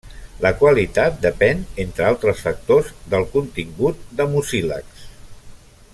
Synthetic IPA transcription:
ləkwəlit̪at̪̚d̪əpɛnent̪ɾəalˠt̪ɾəsfək̚t̪ozd̪əlˠkunt̪iŋɡut̪̚d̪əmusilə̰ks

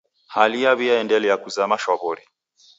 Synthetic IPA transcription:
halijaβiaɛndɛlɛjakuzamaʃwaβɔɾi

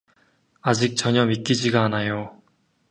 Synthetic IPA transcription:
ad͡ʑik̚t͡ɕʌɲʌmik͈id͡ʑiɡaːnajo

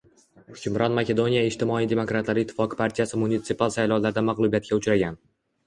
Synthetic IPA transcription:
hʊkʲʰʊmɾɒnmakʲe̞d̪o̞nijaɪʃt̪ɪmɒijd̪e̞mo̞kɾat̪laɾɪt̪ʰːɪ̥fɒqʰɨ̥pʰaɾt̪ʰijasɪmunit̪sɨpalˠsajlɒwlaɾd̪amaʁlˠubijat̪̚kʲaʊt͡ʃɾaɡʲan

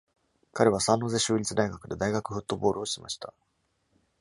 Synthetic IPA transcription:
kaɾe̞β̞asãnːo̞ːze̞ɕɨːɾʲit͡sɨd̪aiɡakɯ̟d̪e̞d̪aiɡakɯ̟ɸɯ̟t̪ːo̞bo̞ːɾʔɯ̟oɕima̰ɕi̥t̪a̰

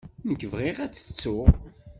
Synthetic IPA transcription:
nəkːəvʁiʁæt͡sːə̥t͡sːʊʁ

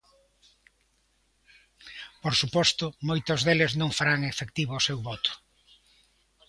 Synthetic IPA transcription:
poɾsupɔst̪ʊmojt̪ʊzðelɪznõŋfaɾaŋefekt̪iβoːsewβɔt̪ʊ̥

